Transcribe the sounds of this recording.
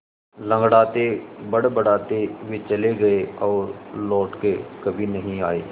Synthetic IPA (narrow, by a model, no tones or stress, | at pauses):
lɐ̃ŋɡɽaːt̪ebɐɽbɐɽaːt̪ewit͡ʃɐleɡɐeɔːɾlɔːʈkekɐbʱinɐɦĩaːeː